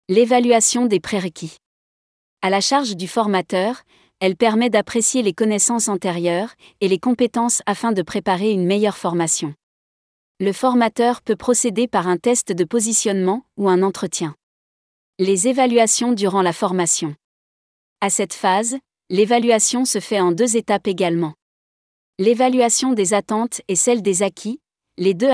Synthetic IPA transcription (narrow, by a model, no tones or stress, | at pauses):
levalɥasjɔ̃d̪epχeʁəkʲʰi | alaʃaʁʒd̪yfɔʁmat̪œʁ | ɛlpɛʁmɛd̪apχesjelekɔnɛsɑ̃sɑ̃t̪eʁjœʁ | elekɔ̃pet̪ɑ̃safɛ̃d̪əpχepaʁeynmejœʁfɔʁmasjɔ̃ | ləfɔʁmat̪œʁpøpχɔsed̪epaʁɛ̃t̪ɛst̪d̪əpɔzisjɔnmɑ̃uɛ̃nɑ̃t̪χət̪jɛ̃ | lezevalɥasjɔ̃d̪yʁɑ̃lafɔʁmasjɔ̃ | asɛt̪faz | levalɥasjɔ̃səfɛɑ̃d̪øzet̪apeɡalmɑ̃ | levalɥasjɔ̃d̪ezat̪ɑ̃t̪ɛsɛld̪ezakʲʰi | led̪ø